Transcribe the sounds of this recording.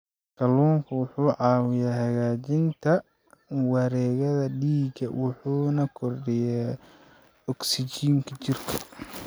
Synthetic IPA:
kʰɐluːŋkʰʊwʊħuːʕɑːwɪjaːɦɐɣaːt͡ʃɪnt̪ʰɐ | wɑɾɛːɣɐðɐɖiːɡɐwʔʊħuːnɐkʰɔrɖɪja | ɔksɪt͡ʃiːŋkʰɐt͡ʃɪrkʰɐ̥

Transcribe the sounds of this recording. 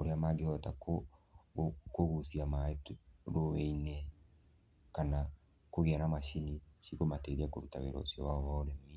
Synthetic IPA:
oɾeamaɡehɔtako | koɣusiamaetɾoeinɛ | kana | koɣeanamaʃiniʃikomateɾiakoɾutaβḛɾɔ̰siɔβaɔβaoɾɛmi

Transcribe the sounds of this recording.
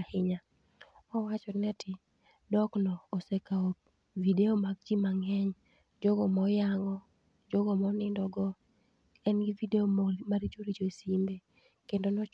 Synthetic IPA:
hɪɲa | ɔwat͡ʃɔnɛtʰɪ | dɔknɔːsekao | videomaɡ̚d͡ʒimaŋɛɲ | d͡ʒɔɡɔmɔjaŋɔ | d͡ʒɔɡɔmɔnɪndɔɡɔ | ɛnɡivideomomaɾid͡ʒoɾid͡ʒoesimbe | kendonɔ

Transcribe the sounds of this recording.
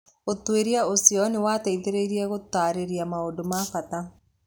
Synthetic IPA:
ot̪ːweɾjaosiɔnɪwat̪ɛid̪eɾeɾjaɡot̪ːaɾeɾijamaodomafat̪a

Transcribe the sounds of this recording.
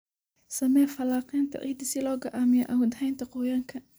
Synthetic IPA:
sɐmɛːfɐlaːqɛːnt̪ʰɐ̰ʔḭːd̪ɪsɪlɔːɡɐʔaːmɪjɔ̰ʔɐwʊd̪hɛjnt̪ʰɐqʊjaːŋkʰɐ

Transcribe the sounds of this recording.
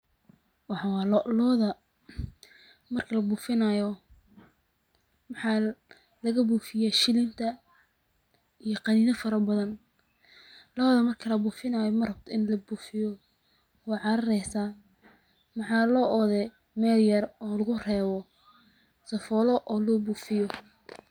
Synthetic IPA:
wɑħɑwɑːllɔːðɐ | mɐrkʰɐlɐbuːfɪnajɔ | mɑħɑ | lɐɣɐbuːfɪjaʃɪlɪnt̪ʰɐ | ijɔqɑniːnɐfɐɾɐbɐðɐn | lɔːðɐmɐrkʰɐlɐbuːfɪnɐjɔmɐrɐb̚t̪ʰɔɪnlɐbuːfɪjɔ | wɔːʕɑɾɐɾɛjsa | mɑħɑːlɔːʔɔðɛ | mɛːljɐrɔːlɐɣʊrɛːwɔ | sɐfɔːlɔʔɔːlɔːbuːfɪjɔ

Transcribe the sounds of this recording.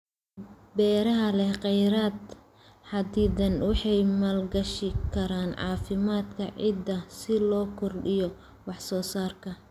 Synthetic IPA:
bɛːɾɐɦɐlɛhqɛjɾaːd̪ | ħɑd̪iːd̪ɐnwɑħɑjmɐlɡɐʃɪkʰɐɾaːnʕɑ̰ːfɪmaːd̪kʰɐ̰ʕɪ̰d̪ɐsɪlɔːkʰɔrɖɪjɔ | wɑħsɔːsaːrkʰɐ

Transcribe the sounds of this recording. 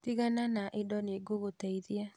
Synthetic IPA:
tiɣananaʔedɔneɡoɣotɛiðia

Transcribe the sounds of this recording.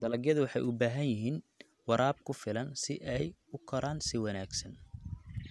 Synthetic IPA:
d̪̥ɐlɐɡjɐðʊwɑħɑjʊbaːɦɐnjɪɦiːn | wɑɾaːb̚kʰʊfɪlɐnsɪʔɛjʊkʰɔɾʔaːnsɪwɑnaːɡsɐn

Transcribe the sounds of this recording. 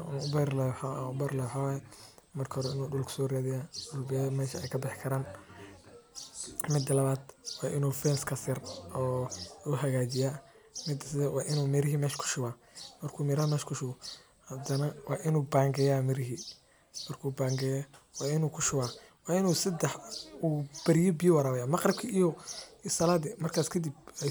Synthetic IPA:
nʊbɛrlɛwħaʊbɛrlɛwʊħawaːjɛmɐrkʰɐhɔɾɛɪnuːɖʊlkʰsɔːraːðɪjaːʊbɛmɛːʃɐɛjkʰɐbɪħkʰɐɾaːn | mɪd̪ɐlɐβaːd̪wɑːʔɪnuːfɛːnskʰɐsɪrɔːʊɦɐɣaːt͡ʃɪja | mɪd̪ɐsɪɛwʔɑːʔɪnuːmɪɾɪɦimɛːʃkʰʊ̥ʃʊwaː | mɐrkʰuːmɛɾɐhɐmɛːʃkʰʊʃʊɣɔ | hɐd̪ɐnɐwʔɑːʔɪnuːbaːŋɡɛjaːmɪɾɪɦi | mɐrkʰuːbaːŋɡɛjɛwɑːɪnuːkʰʊʃʊwaːwɑːɪnuːsɐd̪ɛħuːb̥ɐɾɪjɔbɪjɔwɑɾaːwɐjaːmɐqrb̚kʰiʔijɔsɐlaːd̪ɪmɐrkʰaːskʰɐd̪ibɛ

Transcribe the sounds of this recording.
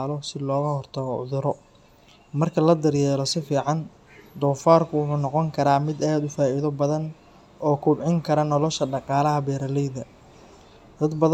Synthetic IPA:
lɔsɪlɔːɣɐhɔrt̪ʰɐɣɔʊ̰ðʊɾɔ | mɐrkʰɐlɐd̪ɐɾjɛːɾɔsɪfiːʕɑn | d̪ɔːfaːrkʰʊwʊħuːnɔqɔŋkʰɐɾaːmɪd̪aːd̪ʊfaːiðɔbɐðɐn | ɔːkʰʊbʕɪŋkʰɐɾɐnɔlɔʃɐɖɑqɑːlɐɦɐbɛːɾɐlɛjðɐ | d̪̥ɐd̪bɐð

